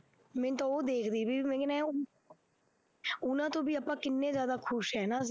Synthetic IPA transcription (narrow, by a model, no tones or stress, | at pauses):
mɛ̃ːnt̪õoːd̪eːkʰd̪iːbiːmɛ̃ːkːnɛ | ʊnãːt̪õːbiːaːpãːkɪnːẽːzjaːd̪aːkʰʊʃɦɛːnãː